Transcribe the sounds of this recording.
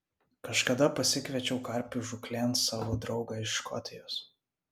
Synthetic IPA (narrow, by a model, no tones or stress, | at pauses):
kɐʃkɐd̪ɐpɐsʲɪkʋʲɛt͡ʃʲɛʊkɐɾʲpʲuʒʊklʲɛnsɑːʋoːd̪ɾɒʊɡɑɪʃːkɔ̰t̪ʲɪjoːs